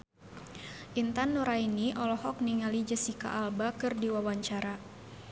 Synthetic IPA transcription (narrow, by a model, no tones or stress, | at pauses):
ʔint̪anːuɾainiʔɔlɔhɔk̚niŋalid͡ʒəsika̰ʔalbakɨrdiwawaɲt͡ʃaɾa